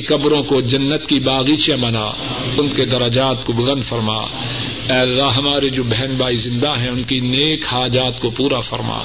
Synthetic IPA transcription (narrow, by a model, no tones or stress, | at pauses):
kɐbɾõkod͡ʒɐnːət̪kibaːɣiːt͡ʃjãbɐna̰ː | ʊnked̪ɐɾəd͡ʒaːt̪kobʊzə̃nd̪fɐɾma̰ː | ɛːlːaɦɐmaːɾed͡ʒoːbɛɦnbaːizɪ̃nd̪aɦɛ̃ʊnkineːkhaːd͡ʒaːt̪kopuːɾafɐɾma̰ː